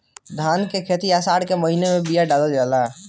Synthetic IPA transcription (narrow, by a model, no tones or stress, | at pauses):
d̪ʱaːnkekʰeːt̪iasaːɽkeməɦinemẽbijaɖaːləld͡ʒaːla